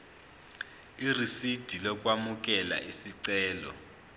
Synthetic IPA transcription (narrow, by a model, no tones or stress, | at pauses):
irisid̥ʱilɔk̬ʼwamuk̬ʼɛla̰ʔisiǀɛːlɔ̰